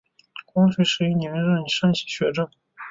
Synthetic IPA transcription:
kwɑ˥ŋɕe˧˥ɪʂɻ̩˧˥i˥˩ni˧˥ɻə˥˩n˨˩ʂə˥˧ŋɕʰi̥˥ɕɥɛ˧˥ʈ͡ʂɤ˥˩ŋ

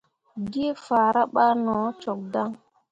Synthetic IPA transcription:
ɡi˦fa˨ɾa˦ɓa˦nɔ˨˦t͡ʃo˨k̚da˦ŋ

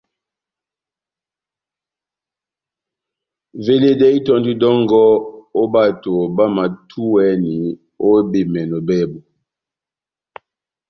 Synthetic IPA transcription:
ve˨le˨de˦i˦tɔ˦ndi˦dɔ˦ŋɡɔ˦o˦ba˦˨to˨ba˦ma˨tʰu˦wɛ˦ni˨ | o˦be˨mɛ˨nɔ˨bɛ˦bɔ˨

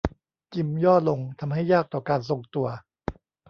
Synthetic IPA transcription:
t͡ɕi˧mjɔː˥˩lo˧ŋt̪ʰa˧mɦa˥˩jːaː˥˩k̚t̪ɔː˨˩kaː˧nso˧ŋt̪u˧ɐ

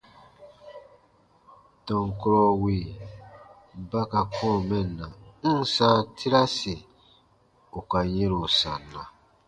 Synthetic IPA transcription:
tɔ̃˨ŋ˨kɔ˦ɾɔ˦wi˨ | ba˦ka˨kʰɔ̃˦˨mɛ̃˦˨nːã˨n̩˦˨sa˦tʰi˦ɾa˦si˨ | u˨ka˨jẽ˦ɾo˨sã˨nːã˨

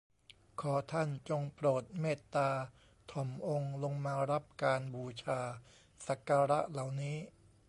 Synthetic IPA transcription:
kʰɔː˩˦t̪ʰa˥˩nt͡ɕo˧ŋpɾoː˨˩t̪̚meː˥˩t̪ːaː˧ | t̪ʰɔ˨˩˦mʔo˧ŋlo˧ŋmaː˧ɾa˦˥p̚kaː˧nbuː˧t͡ɕʰaː˧ | sa˨˩˦kaː˧ɾa˦˥ʔla˨˩wniː˦˥

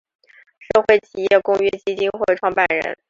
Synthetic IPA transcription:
ʂɤ˥˧xwe˥˩ɪt͡ɕʰi˨˩jɛ˥˩kʊ˥ŋɥɛ˥t͡ɕi˥t͡ɕi˥nxwe˥˩ʈ͡ʂʰwɑ˥ŋpa˥˩nɻə̰˧˥n

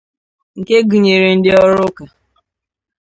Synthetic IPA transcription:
ŋ̩˨ke˦ɡu˨ɲe˨ɾe˨n̩˦dɪ˦ɔ˦ɾʊ˦ka˨

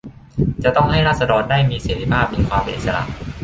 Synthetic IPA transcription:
t͡ɕa˨˩t̪ɔ˥˩ŋɦa˥˩jɾaː˥˩t̪̚sa˧dɔː˧ndaː˥˩jmiː˧seː˧t̪ʰi˥˩pʰaː˥˩p̚ːi˧nkʰwaː˧mpe˧nʔ̪̚sa˧la̰˧˩ʔ

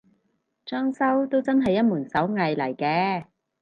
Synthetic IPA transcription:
t͡ʃœː˥ŋsɐ˥wt̪o˥wt͡sɐ˥nɦɐ˨jːɐ˥t̚muː˨˩nsɐ˨˥wŋɐ˨jlɐ˨˩jkɛː˧

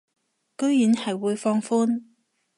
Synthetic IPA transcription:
kɵ˥ɥjyː˨˥nhɐ˨jwuː˨˧jfɔː˧ŋfuː˥n

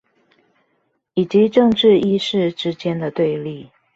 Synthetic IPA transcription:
i˨˩t͡ɕi˧˦ʈ͡ʂɤ˥˧ŋʈ͡ʂɻ̩˥˧i˥ʂɻ̩˥˩ʈ͡ʂɻ̩˥t͡ɕjɛ˥˦nd̪ə˨t̪we˥˧ɪli˥˩

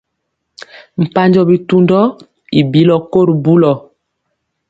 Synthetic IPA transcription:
m̩˨pa˦ɲd͡ʒɔ˨bi˨tu˦ndɔ˦ | i˨bi˦lɔ˨ko˦ɾbu˦lɔ˨

